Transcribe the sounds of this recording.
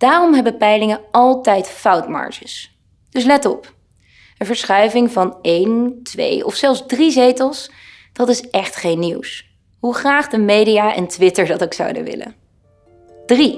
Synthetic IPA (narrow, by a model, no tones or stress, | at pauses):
d̥aːrɔmɦɛbəpɛjlɪŋəɑlˠtɛjtfʌwtmɑ̰ɹʒəs | d̥ɵs̬lɛtɔp | ənvəɹsχœɥvɪŋvɑnejntʋḛjɔ̰fsɛlˠfzdrizejtəlˠs | d̥ɑtɪsɛχtχejnːiws | ɦuχraːχdəmejdijaːʔɛ̰ntʋɪtəɹdɑtoksɑ̰wdə̰ʋɪ̰lə̰ | d̥ri